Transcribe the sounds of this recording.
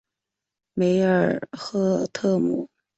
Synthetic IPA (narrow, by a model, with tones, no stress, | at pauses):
me˧˥ɪə˨˩xɤ˥˧t̪ʰɤ˥˩mṵ˨˩˦